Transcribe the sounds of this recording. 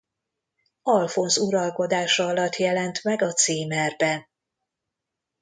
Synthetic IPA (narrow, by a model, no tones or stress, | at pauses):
ɒlfo̞nzuɾɒlko̞d̪aːʃɒɒlɒt̪ːjɛlɛnt̪mɛɡɒt̪siːmɛrbɛ